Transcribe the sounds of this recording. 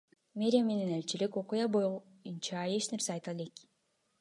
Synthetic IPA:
mʲe̞ɾʲɪame̞nenelt͡ʃiliko̞qujabo | junt͡ʃɑe̞t͡ʃne̞ɾseɑjt̪ɑlek

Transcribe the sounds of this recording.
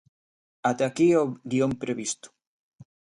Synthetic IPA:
at̪akioɡiompɾeβist̪ʊ̥

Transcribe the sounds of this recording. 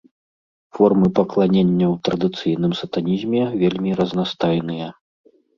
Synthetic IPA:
fɔrmɨpɐklˠanʲenʲːɐwt̪ɾɐd̪ɨt̪sɨjn̪ɨmsɐt̪anʲizʲmʲɛvʲelʲmʲiɾɐznast̪ajnɨjɐ

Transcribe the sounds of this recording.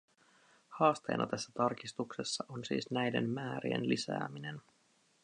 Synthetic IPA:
hɑːst̪e̞̰ːnʔɑ̰t̪æsːæt̪ɑrkist̪uksesːɑʔonsḭːsnæjde̞̰mmæːɾiḛnlisæ̰ːmine̞n

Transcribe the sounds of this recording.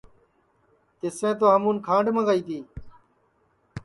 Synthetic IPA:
t̪ɪsʋẽːt̪oːɦəmũːnkʰãːɳɖʱmãːɡaːiːt̪ʰiː

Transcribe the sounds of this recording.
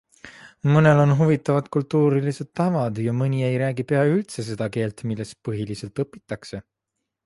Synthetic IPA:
mɤne̞lo̞nɦuvit̪ːˑɑvɑd̪̥kult̪ːuːɾilise̞d̪̥̚t̪ɑvɑd̪jɑmɤnʲiejɾæːɡ̥ipeɑylt̪se̞s̬e̞d̪̥ɑke̞ːlt̪milːe̞st̪̚pɤɦilise̞lt̪ɤpːi̥t̪ːˑɑkse̞

